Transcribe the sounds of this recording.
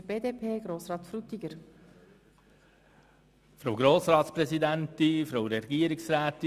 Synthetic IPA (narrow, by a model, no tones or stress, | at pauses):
b̥eːd̪eːpʰeːɡ̥ɾoːsɾɑːt̪fɾut̪iɡəɾ | fɾowɡɾoːsɾɑːt̪spɾɛsid̪ænt̪ifɾowɾɛɡiəɾɪksɾæːt̪i